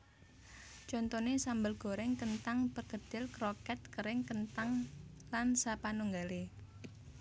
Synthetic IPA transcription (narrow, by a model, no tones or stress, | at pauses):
d͡ʒɔnt̪ɔnesambəlɡ̥o̤ɾɛŋkənt̪aŋpərɡ̥əd̪̥ɪ̤lkɾɔkɛt̪̚kəɾɪŋkənt̪aŋlansapanuŋɡale